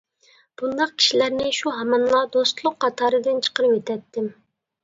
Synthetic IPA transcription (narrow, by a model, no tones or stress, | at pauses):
b̥und̪ɑq̚kʲʰi̥ʃilæɾnɪʃuɦɑmɑnlˠɑd̪ost̪lˠʊqʰːɑt̪ʰɑːɾɨd̪ɨnt͡ʃʰə̥qəɾɨet̪ʰɛt̪ːɪm